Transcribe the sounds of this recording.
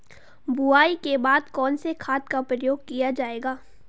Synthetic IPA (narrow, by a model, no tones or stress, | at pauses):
buaːikebaːd̪kɔːnsekʰaːt̪̚kapɾɐjoːɡ̚kijad͡ʒaːeːɡaː